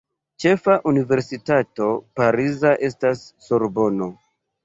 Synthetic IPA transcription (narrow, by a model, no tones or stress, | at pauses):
t͡ʃe̞faʔunive̞ɾsitato̞paɾizaʔe̞stasːoɾbo̞no̞